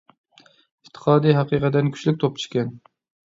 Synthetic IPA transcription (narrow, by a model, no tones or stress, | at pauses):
iht̪ʰːə̥qʰɑːd̪ijɦɑqiːqət̪ːɛnkʲʰy̥t͡ʃʲlyk̚ʲt̪ʰop̚t͡ʃʰu̥ʃkʲɛn